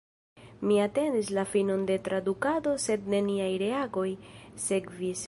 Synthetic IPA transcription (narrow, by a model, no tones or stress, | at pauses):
miate̞ndislafino̞nde̞tɾadukado̞se̞d̚ne̞niajɾe̞aɡo̞jse̞kvis